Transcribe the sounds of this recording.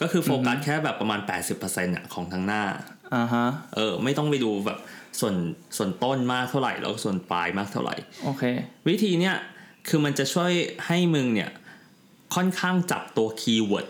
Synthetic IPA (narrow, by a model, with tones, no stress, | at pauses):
kɔː˥˩kʰɯː˧foː˧ka˨˩t̚kʰɛː˥˩bɛː˨˩pːɾa˧maː˧npɛː˨˩t̪̚si˨˩pʰːɤː˧se˧nʔa̰˨˩kʰɔː˩˦ŋt̪ʰa˧˥ŋnaː˥˩ | ʔa˧˩ɦa˦˥ʔɤː˧ma˥˩jt̪ɔ˥˩ŋpa˧jduː˧bɛ̰ː˨˩p̚su˨˩ənsu˨˩ənt̪o˥˩nmaː˥˩k̚t̪ʰa˥˩ɾa̰˨˩jlɛ̰˦˥kɔ˥˩su˨˩ənpa̰ː˧jmaː˥˩k̚t̪ʰa˥˩ɾa̰˨˩jʔoː˨˩kʰeː˧wi˦˥t̪ʰiː˧ni˦˥ɐkʰɯː˧ma˧nt͡ɕa˨˩t͡ɕʰu˥˩əjha˥˩jmɯ˧ŋni˥˩ɐ | kʰɔ˥˩nkʰaː˥˩ŋt͡ɕa̰˨˩p̚t̪u˧ɐkʰiː˧wu˨˩t̪̚